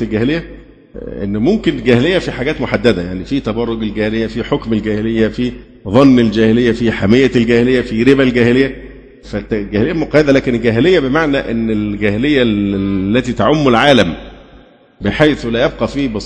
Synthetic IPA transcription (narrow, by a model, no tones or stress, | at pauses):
elɡæhelejːæ | ʔḛnːmomkɪnɡæhelejːæfiħaɡæːt̪moħad̪ːæd̪æjaʕnifit̪æbɑrˤːoɡelɡæːhelejːæfiħokmelɡæːhelejːæfi | ðˤɑnːeld͡ʒæːhelejːæfiħamejːælɡæːhelejːæfiɾebælɡæːhelejːæ | fæɡæhelejːæmoqɑjed̪ælæːkenelɡæɦelejːæbemaʕnæʔḛnːelɡæːhelejːælːæt̪iːt̪aʕomːʊlʕaːlæm | beħajθulæjæb̚qɑfiːbes